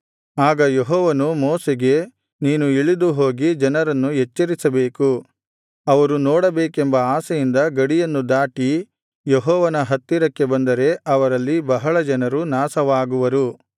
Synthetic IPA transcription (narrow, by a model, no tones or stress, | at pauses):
aːɡɐjeɦɔːʋɐnumɔːseɡe̞ | niːnuiɭid̪uɦo̞ːɡid͡ʒɐnɐɾɐnːuɦet͡ʃːɐɾisɐbe̞ːku | ɐʋɐɾunɔːɽɐbeːkembɐaːsɐjind̪ɐɡɐɽijɐnːud̪aːʈi | jeɦɔːʋɐnɐɦɐt̪ːiɾɐkːe̞bɐnd̪ɐɾe̞ʔɐʋɐɾɐlːibɐɦɐɭɐd͡ʒɐnɐɾunaːsɐʋaːɡuʋɐɾu